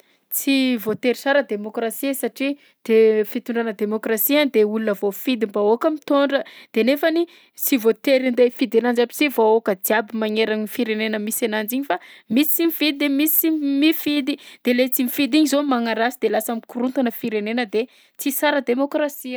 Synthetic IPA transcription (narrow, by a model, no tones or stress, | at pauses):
t͡sivot̪eɾisaɾəd̪emokɾasiesaʈ͡ʂi | d̪̥efit̪uɳɖ͡ʐanəd̪emokrasiand̪eulunəvofid̪imbaokəmit̪oɳɖ͡ʐəd̪̥enefani | t͡sivot̪eɾind̪efid̪anand͡ʒabit͡sivookəd̪iabimaŋeɾaɲifiɾenenəmisanand͡ʒiɲifamisi̥t͡simifid̪id̪emisimifid̪id̪̥elet͡simifid̪iɲizomaŋaɾasid̪elasamikurunt̪anəfiɾenenəd̪e | t͡sisaɾəd̪emokɾasiə